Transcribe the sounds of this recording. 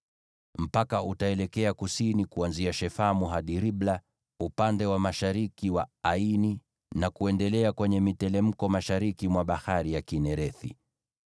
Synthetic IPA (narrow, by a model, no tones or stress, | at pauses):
m̩pakaʔutaɛlɛkɛakusinikuanziaʃɛfamuɦaɗiɾiɓla | upandɛwamaʃaɾikiwaaini | nakuɛndɛlɛakwɛɲɛmitɛlɛm̩kɔmaʃaɾikimwaɓahaɾijakinɛɾɛθḭ